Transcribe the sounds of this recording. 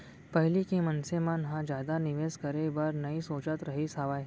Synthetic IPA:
pɐɦlikimɐnsemãnɦãd͡ʒjaːd̪anɪʋeːskɐɾebɐɾnɐisoːt͡ʃət̪ɾɐɦisaːʋaː

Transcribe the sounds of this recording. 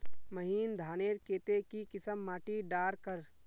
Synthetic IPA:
məɦiːnd̪ʱaːneːɾkeːt̪ekikɪsəmːaːʈiɖaːɾkəɾ

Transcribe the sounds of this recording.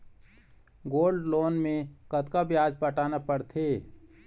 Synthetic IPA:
ɡoːlɖloːnmẽkət̪kabjaːd͡ʒpəʈaːnapəɽt̪ʰeː

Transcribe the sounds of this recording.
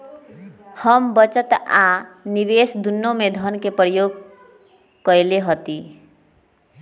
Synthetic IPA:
həmbət͡ʃət̪aniβesd̪unːomed̪ʱənkepɾəjoɡ̚ | kəjleɦot̪i

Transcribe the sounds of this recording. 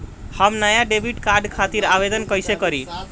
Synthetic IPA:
həmnajaɖebʱiʈkaɾɖkʰat̪iɾabed̪ənkəjsekəɾi

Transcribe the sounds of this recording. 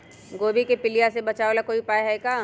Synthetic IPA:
ɡoːbikepɪlijasebɐt͡ʃaːolakoːipaːeɦɛekaː

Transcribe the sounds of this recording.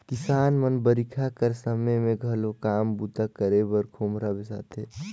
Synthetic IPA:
kɪsaːnmənbəɾikʰakəɾsəməjmẽɡʱəlokaːmbud̪akəɾebəɾkʰoːmɾabesa̰ːt̪ʰeː

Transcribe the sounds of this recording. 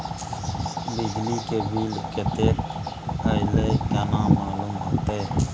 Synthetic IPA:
bɪd͡ʒliːkeːbʱiːlket̪eːɾəɪleːkənãːmaːlumɦoːt̪eː

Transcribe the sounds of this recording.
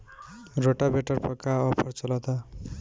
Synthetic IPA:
ɾoʈabeʈʌɾpʰʌkaʌpʰʌɾt͡sʌlat̪a

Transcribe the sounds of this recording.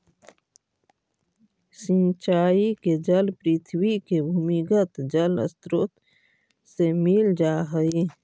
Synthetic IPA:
sɪ̃nt͡ʃaːiked͡ʒəlpɾɪt̪ʰwikebʱuːmikət̪d͡ʒələ̰st̪ɾʊt̪ | semɪld͡ʒaːɦəi

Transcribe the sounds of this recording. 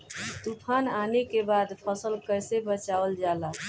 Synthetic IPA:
t̪upʰananekebad̪pʰəsəlkəjsebət͡ʃaəld͡ʒala

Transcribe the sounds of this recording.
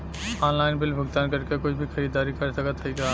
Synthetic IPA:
ɔ̃ːnlaːɪnbɪlbʱʊɡt̪aːnkɐɾkekʊt͡ʃʰbʱixɐɾiːd̪aːɾikɐɾsɐkət̪ʰɐika

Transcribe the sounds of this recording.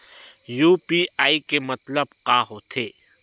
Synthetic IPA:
juːpiaːikemɐt̪ləbqaːɦot̪ʰeː

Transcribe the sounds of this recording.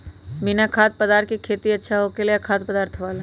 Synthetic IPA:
bɪnakʰaːt̪̚pɐd̪aːɾt̪kikʰeːt̪iɐtːʃʰaɦokelakʰaːt̪pɐd̪aːɾt̪ʰʋaːla

